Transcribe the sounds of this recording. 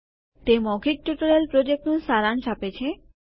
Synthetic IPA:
ʈ̪emɔɡʱik̚ʈuʈoɾelpɾod͡ʑek̚ʈosaɾant͡ɕʰapet͡ɕʰe

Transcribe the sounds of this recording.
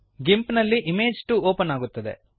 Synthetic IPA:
ɡimpnɐlːiʔimeːd͡ʒʈuoːpɐnaːɡut̪ːɐd̪e̞̰

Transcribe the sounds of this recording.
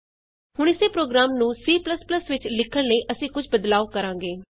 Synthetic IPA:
hʊɳ̃ɪseːpɾoːɡɾaːmnũːsiːpləspləsʋɪt͡ʃlɪkʰəɳləiːʔəsĩːkʊd͡ʒʰbəd̪laːokəɾãːŋɡeː

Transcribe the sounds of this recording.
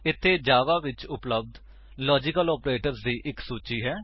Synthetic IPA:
ɪt̪ʰːeːd͡ʒaːʋaːʋɪt͡ʃʊpləb̚d̪ | lɔːd͡ʒɪkəlɔːpɾeːʈəɾsd̪iːʔɪksuːt͡ʃiːɦɛː

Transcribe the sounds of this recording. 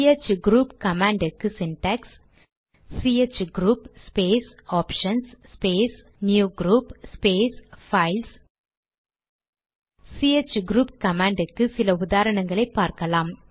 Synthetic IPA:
et͡ʃɡɾuːpkɐmaːɳɖɪkːɯsɪnʈɐksː | iet͡ʃːɡɾuːpspeːsaːpʂɐnsspeːs | njuːɡɾuːpspeːsfɐɪls | siet͡ʃːɡɾuːp̚kɐmaːɳɖɪkːɯsɪlɐʊðaːɾɐɳɐŋɡɐɭɐɪpːaːɾkɐlaːm

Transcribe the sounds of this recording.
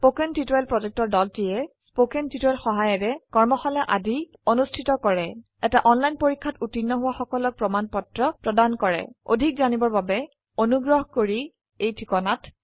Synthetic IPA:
pokɛntitjlpɹɔzɛk̚tɔɹdɔltiɛspokɛntitɔɛlxɔɦajɛɹɛkɔɹmɔxalaʔadʱi | onustʰitɔkɔɹɛ | ɛtaʔɔnlajnpoɹikʰːatutinːɔɦʊwaxɔkɔlɔk̚pɹɔmanpɔtɹɔpɹɔdankɔɹɛ̰o̰dʱik̚zanibɔɹbabɛ | onuɡɹɔɦɔkoɹi | ejtʰikɔnat

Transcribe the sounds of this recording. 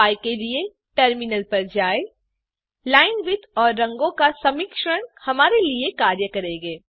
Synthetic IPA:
aːjkelie | ʈəɾmɪnəlpɐɾd͡ʒaːe | laːɪnʋɪt̪ɔːɾːɐ̃ŋɡõkasɐmɪkʃəɳ̃hɐmaːɾeliekaːɾjəkɐɾeːɡeː

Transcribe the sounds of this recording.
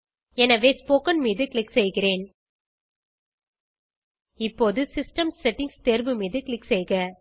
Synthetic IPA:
ɛnɐʋeːspoːkɐnmiːðɯkɭɪksɛjɣɪɾeːn | ɪpːoːðɯsɪsʈɐmssɛʈːɪŋst̪eːɾbɯmiːðɯkɭɪksɛjɣɐ

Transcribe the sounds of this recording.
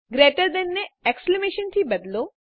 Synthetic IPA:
ɡɾeːʈəɾd̪enːeeksklemeːʃənt̪ʰibɐd̪lo

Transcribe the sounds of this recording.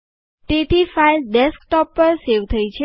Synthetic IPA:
tit̪ʰifajdɛsk̚ʈɔpːəɾsewt̪ʰəjt͡ɕʰe

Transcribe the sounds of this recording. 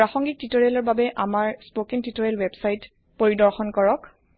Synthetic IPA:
pɹaxɔŋɡik̚titoɹalɔɹbabɛʔamaɹspokiŋtitɔɹɛlwɛbsajt | poɹidɔɹxɔnkɔɹɔk

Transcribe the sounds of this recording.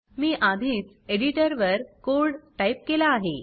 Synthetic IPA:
miːʔad̪ʱiːt͡s | eɽiʈəɾʋəɾkoɾɽʈaip̚kelaːɦe

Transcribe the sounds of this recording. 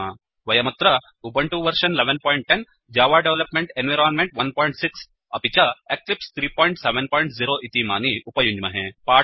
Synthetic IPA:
a | ʋɐjɐmɐt̪ɾɐ | ubɐɳʈuʋɐɾʃɐnleʋenpɔːiɳʈ̚ʈːen | d͡ʒaːʋaːɖeʋlɐpmẽɳʈenʋiɾaːnmẽɳʈʋɐnpɔːjĩɳʈsiks | ɐpit͡ɕɐeklipst̪ʰɾiːpɔːjɳʈseʋenpɔːiɳʈziɾoːʔit̪ima̰ːniʔupɐjuɲd͡ʒmɐɦẽpaː

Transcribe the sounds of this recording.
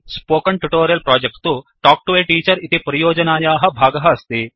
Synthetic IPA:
spoːkɐɳʈuʈoːɾijɐlpɾaːd͡ʒek̚ʈt̪uʈaːk̚ʈuʋeːʈiːt͡ʃɐɾit̪ipɐɾijoːd͡ʒɐnaːjaːɦɐ̆bʱaːɡɐɦɐɐst̪i

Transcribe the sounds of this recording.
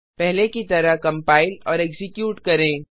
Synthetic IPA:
pɛɦlekit̪ɐɾaɦkɐ̃mpaːɪlɔːɾɛkzɪkjuːʈkɐɾẽː

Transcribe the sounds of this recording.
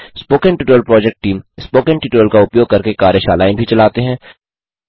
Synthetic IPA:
spoːkə̃ɳʈɪʈəəlpɾɔːd͡ʒɛk̚ʈːiːmspoːkə̃ɳʈɪʈːəlkaʊpjoːɡ̚kɐɾkekaːɾjəʃaːlaːẽbʱit͡ʃɐlaːt̪eɦɛ̃ː

